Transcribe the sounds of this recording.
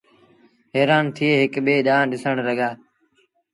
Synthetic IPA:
ɦeːɾaːnt̪ʰieːɦɪkɓeːɗaːɗɪsəɳɾəɡaː

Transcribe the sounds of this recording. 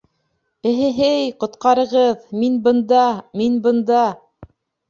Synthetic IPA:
ɘ̆ɦɘ̆ɦɘjqŏt̪qɑɾɤ̆ʁɤðminbɤ̆nd̪ɑminbɤ̆nd̪ɑ

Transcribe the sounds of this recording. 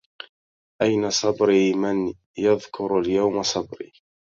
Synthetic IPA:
ʔajnasˤɑbɾiːman | jɑðˤkʰʊɾaljawmasˤɑbɾḭː

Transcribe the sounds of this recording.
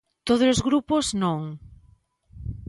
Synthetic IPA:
t̪oðolozɣɾupoznõŋ

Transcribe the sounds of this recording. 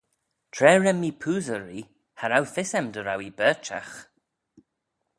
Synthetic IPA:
tʰɹɛːɹɛmipʰuːðəɹi | haɾawθɪsɛmdəɾawibɛːt͡ʃa̰x

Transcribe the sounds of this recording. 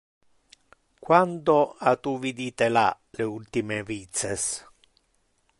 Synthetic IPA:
kwand̪oat̪uvid̪iːt̪ɛla̰ | leult̪imevit̪sɛs

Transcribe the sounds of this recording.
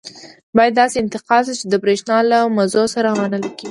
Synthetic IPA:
bɑjad̪ːɑseɪnt̪ɪqɑlʃit͡ʃed̪əbɾeʃnɑlamazosaɾawɑnəlkei

